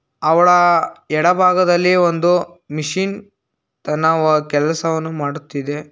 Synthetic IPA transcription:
ɐʋɐɭɐɛɽɐbʱaːɡɐd̪ɐlːiond̪u | miʂiːn | t̪ɐnːɐɐkɛlɐsɐʋɐnːumaːɽut̪ːid̪e̞

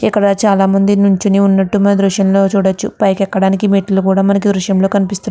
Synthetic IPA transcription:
ikːɐɽɐt͡ʃaːlaːmɐnd̪inuɲt͡ʃiniunːɐʈːumɐnɐd̪ɾuʂjɐmlo̞ːt͡ʃuːɽɐt͡ʃːṵpɐjkɛkːɐɽaːnikimiːʈɐlukuːɽaːmɐnɐk̬id̪ɾuʃjɐmlo̞ːkɐnipist̪u

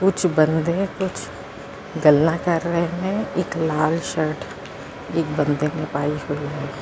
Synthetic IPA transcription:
kʊt͡ʃʰbə̃nd̪ekʊt͡ʃʰ | ɡəlnãkɐɾːəɦemẽɪːklaːlʃəɾʈʰ | eːk̚bə̃nd̪enɪpaːihuiɦɛː

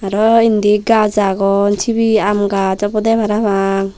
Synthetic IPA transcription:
aɾɔind̪iɡazaɡɔnt͡ʃʰibiamɡad͡ʒɔpɔd̪ɛbʱaɾabaŋ

